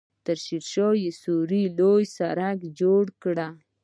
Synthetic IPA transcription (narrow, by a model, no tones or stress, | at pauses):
t̪əɾʃiɾʃojesuɾilojsaɾaɡd͡ʒoɽkɽa